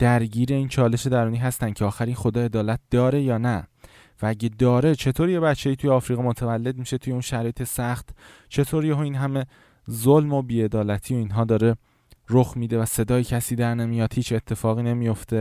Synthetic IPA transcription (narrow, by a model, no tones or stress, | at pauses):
d̪̥æɾɟiːɾe̞iːnt͡ʃʰɒːle̞ʃe̞d̪æɾuːniːɦæst̪ænd̪cʰeɒːxæɾiːnxo̞d̪ɒːe̞d̪ɒːlæt̪̚d̪̥ɒːɾe̞jɒːnæ | vææɟed̪ɒːɾe̞t͡ʃʰe̞t̪ʰoɾije̞bæt͡ʃʰːe̞iːt̪ʰujeɒːfɾiːɣimot̪ʰævælːe̞d̪̚miʃe̞t̪ʰuje̞unʃæɾɒːjet̪ʰesæxt̪ | t͡ʃʰe̞t̪ʰoːɾijeɦoiːnɦæme̞ | zolmo̞biːe̞d̪ɒːlæt̪ʰijo̞iːnɦɒːd̪ɒːɾe̞ | ɾoxmiːd̪evæse̞d̪ɒːjecʰæsiːd̪æɾnemijɒːd̪̥hiːt͡ʃʰe̞t̪ʰːe̞fɒːɣiːne̞mijoft̪ʰe̞